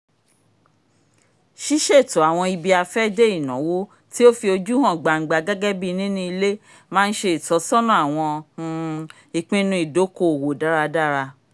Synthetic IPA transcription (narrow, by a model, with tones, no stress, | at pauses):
ʃi˦ʃe˦˨to˨˦a˨w̃ɔ̃˧i˧bi˧a˧fɛ˦de˦i˦˨nɔ̰̃˨˦wo˦ | ti˦o˦fi˧o˧d͡ʒu˦hɔ̃˦˨ɡ͡ba˨ɡ͡ba˨ɡɛ˦ɡɛ˦bi˦˧nĩ˦nĩ˦i˧le˦ | mãː˦n̩˦ʃe˧i˨tɔ˨˦sɔ̃˦nɔ̃˦a˨w̃ɔ̃˧hũ˧ | i˨k͡pĩ˦˧nũ˧i˨do˨˦ko˦˨wo˨da˨˦ɾa˧da˦ɾa˧